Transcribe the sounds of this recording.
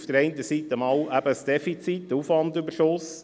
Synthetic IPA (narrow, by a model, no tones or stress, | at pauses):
fd̥əɾɛɪnt̪əsiːt̪əmɑwʔæbəsd̥ɛfit͡sit̪ːufʋɑndʉbəɾʃos